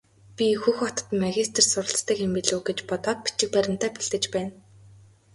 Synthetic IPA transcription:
pʲixuxɔt̪ɞ̥̆t̪maɣʲist̪ʰɘ̆rsʊɾə̆ɬt͡st̪ĭːkempiɮuːɡet͡ɕpɔt̪ɔːt̪̚pi̥t͡ɕɪ̆k̚pæɾʲɪ̆m̥t̪æːpiɮt̪ɘ̆t͡ɕpæːn

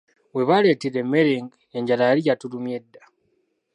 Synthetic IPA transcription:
weβaletiɾemːeɾeŋɡ | eɲɟalajaijatulumje̞dːa

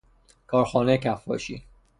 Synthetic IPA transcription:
kʰɒːɾxɒːnecʰæfːɒ̰ːʃḭː

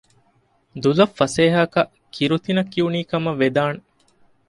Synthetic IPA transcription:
d̪ulɐfːɐseːɦɐkɐ | kiɾut̪inɐkːiuniːkɐmɐʋed̪aːne

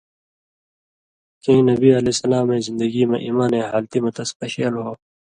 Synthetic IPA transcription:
kĩĩnɐbiːɐleːsɐlaːmẽːzɪ̃nd̪əɡiːmẽʔiːmaːnẽːɦaːlt̪imɐt̪ɐspɐɕeːlɦoː

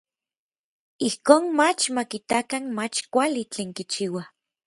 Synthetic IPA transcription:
ihkoːnmat͡ʃmakit̪akanmat͡ʃkʷalit͡ɬeːŋkit͡ʃiwa

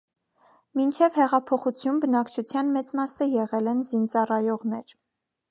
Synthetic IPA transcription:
mint͡ʃʰɛvhɛʁɑpʰɔχut͡sʰjumbənɑkt͡ʃʰut͡sʰjɑnmɛt͡smɑsəjɛʁɛlɛnzint͡sɑrɑjɔʁnɛɾ

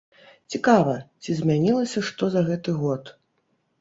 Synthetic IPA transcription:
t͡sʲikavɐt͡sʲizʲmʲanʲilˠɐsʲɐʂt̪ɔzɐɣɛt̪ɨɣɔt̪

